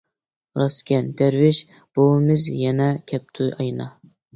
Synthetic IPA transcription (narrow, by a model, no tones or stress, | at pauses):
ɾɑskʲʰɛnd̪̥æɾvɪʃ | b̥owɨmɪzjɛnɛkʲʰɛp̚t̪ʰʊʔɑjnɑ